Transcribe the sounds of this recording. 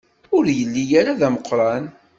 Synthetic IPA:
ʊɾjəlːijaɾaðæməqːɾˤɑn

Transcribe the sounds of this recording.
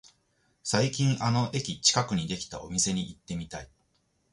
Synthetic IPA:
saikʲĩɰ̃ʔano̞ʔe̞kʲit͡ɕi̥kakɯ̟ɲ̟id̪e̞kʲi̥t̪a̰o̞mʲise̞ɲ̟iʔit̪ːe̞mʲit̪ai

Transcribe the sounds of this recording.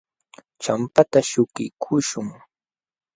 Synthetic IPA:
t͡ʃampat̪aʃʊkɪkʰʊʃʊŋ

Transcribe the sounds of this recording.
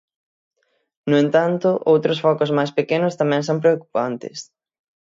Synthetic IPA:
nʊẽnt̪ant̪ʊʔowt̪ɾosfɔkʊzmajspekenʊst̪amɛ̃ŋsõmp̬ɾeoku̥pant̪ɪ̰s

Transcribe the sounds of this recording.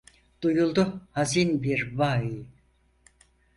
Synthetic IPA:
d̪̥ujulˠd̪uhazinbiɾbai

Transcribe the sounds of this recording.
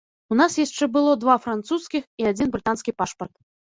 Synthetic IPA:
unasjaʂt͡ʂɛbɨlˠɔd̪vafɾant̪suskʲixiad͡zʲinbɾɨt̪anskʲipaʂpɐrt̪

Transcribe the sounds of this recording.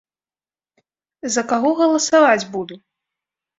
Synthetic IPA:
zɐkaɣɔɣɐlˠɐsavad͡zʲbud̪u

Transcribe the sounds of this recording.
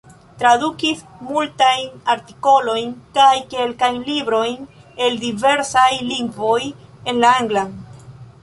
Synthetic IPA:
tɾadukismultajnaɾti̥ko̞lo̞jnkajke̞lkajnlibɾo̞jn | e̞ldive̞ɾsajliŋɡvo̞je̞nlaaŋɡla

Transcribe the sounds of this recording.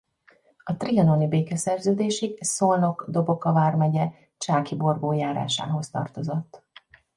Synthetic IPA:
ɒt̪riɒnonibeːkɛsɛrzøːd̪eːʃisono̞kd̪o̞bo̞kɒvaːrmɛɟɛ | t͡ʃaːkibo̞rɡoːjaːɾa̰ːʃa̰ːɦo̞st̪ɒ̰rt̪o̞zo̞t̪ː

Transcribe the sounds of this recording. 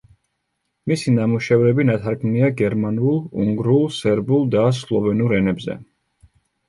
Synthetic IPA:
misinamuʃɛvɾɛbinat̪ʰaɾkʰmniaɡɛɾmanulˠṵŋɡɾulˠsɛɾbulˠd̪aslˠɔvɛnuɾɛnɛbzɛ̰

